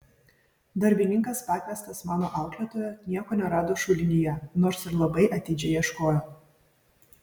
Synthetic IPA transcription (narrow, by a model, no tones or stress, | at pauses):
d̪ɐɾʲbʲɪnʲɪŋkɐspɑːt̪ʲmʲæst̪ɐsmɑːnoːʔɑˑʊklʲiːt̪oːjɛnʲiɛkoːnʲɛɾɑːd̪oːʃʊlʲɪnʲɪjɛnoːɾsɪɾlˠɐbɐɪʔɐt̪ʲɪd͡ʒʲɛɪjɛʃkoːjo